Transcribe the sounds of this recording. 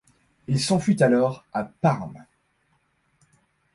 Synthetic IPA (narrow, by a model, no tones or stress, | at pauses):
ilsɑ̃fyt̪alɔʁapaʁm